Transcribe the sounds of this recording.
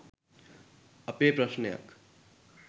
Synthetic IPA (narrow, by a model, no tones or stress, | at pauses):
ʌpepɾʌsnjʌ̰k